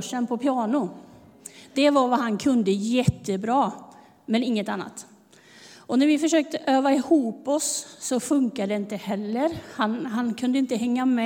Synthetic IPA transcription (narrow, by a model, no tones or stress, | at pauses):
ʂɛnpʰɔpʰɪɑːɳʊ | d̪̥ɛvaɾvaɦankʰɵnd̪əjɛt̪ːəbɾɑː | mɛnɪŋːət̪anːa̰t̪ | ɔnæɾvɪfœʂøːk̚t̪əʔøːvaɪhuːpɔsːɔfɵŋkad̪ɛɪnt̪əhɛlːəɾhanɦankʰɵnd̪əɪnt̪əɦɛŋːamɛ